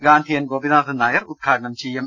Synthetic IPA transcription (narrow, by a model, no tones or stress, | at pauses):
ɡaːnt̪ʰiənɡobinaːt̪ɯnajɾʔut̪̚kʰaːnamt͡ɕʰim